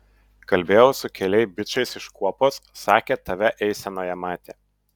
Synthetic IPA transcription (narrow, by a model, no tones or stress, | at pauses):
kɐlʲbʲeːjɛʊsʊkʲɛlʲɛɪbʲɪt͡ʃɐɪsɪʃkuɔpoːsːɑːkʲeːt̪ɐʋʲɛʔɛɪsʲɛnoːjɛmɑːt̪ʲeː